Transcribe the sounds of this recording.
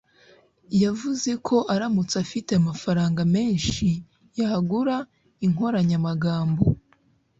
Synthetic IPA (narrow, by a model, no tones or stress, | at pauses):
javuze̞kʰo̞ʔaɾamut͡safite̞amafaɾaːŋɡame̞ːnʃi | jaɡuɾa | iŋ̥o̞ɾaɲamaɡaːmbo̞